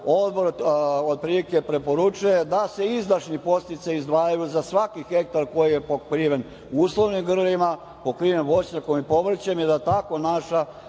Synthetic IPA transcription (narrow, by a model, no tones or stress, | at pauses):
o̞d̪bo̞ɾod̪̚pɾiːlike̞pɾe̞po̞ɾut͡ʃuje̞d̪ase̞izd̪aʃnipo̞st̪it̪seizd̪ʋaːjajuzasʋakixe̞k̚t̪aɾko̞jije̞pokɾiʋe̞n | uːslˠo̞ʋnimɡr̩ɾima | po̞kɾiːʋemʋo̞sɲakomipo̞ʋr̩t͡ɕemjed̪at̪ako̞naʃa